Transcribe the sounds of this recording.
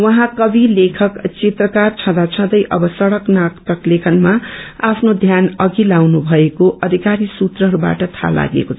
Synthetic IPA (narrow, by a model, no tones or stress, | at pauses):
wʌɦãkʌbilekʰʌkt͡set̪rʌkart͡sʰʌ̃d̪at͡sʰʌ̃d̪ʌjʔʌbʌsʌɽʌknakt̪ʌklekʰʌnmaapʰnod̪ʱjanʌɡilawnubʱʌekoʔʌd̪ʱikaɾisut̪rʌɦʌɾuba̰ʈʌt̪ʰa̰la̰ɡḛkot͡sʰʌ